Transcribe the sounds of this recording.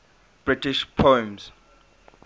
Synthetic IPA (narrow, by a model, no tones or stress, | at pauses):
b̥ɹitiʃpʰoɛ̃mz